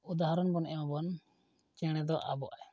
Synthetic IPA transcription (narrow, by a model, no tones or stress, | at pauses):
ud̪aɦaɾɔnbɔnʔɛmabɔn | t͡ʃɛɽ̃ɛd̪ɔʔa̰bɔʔaj